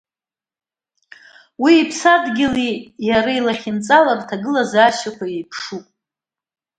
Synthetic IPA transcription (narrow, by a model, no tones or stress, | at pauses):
wiːpʰsadɡʲɪlijaɾailaχʲɪnt͡sʼalartʰaɡɨlazaʃakʷʰajejpʰʂupʼ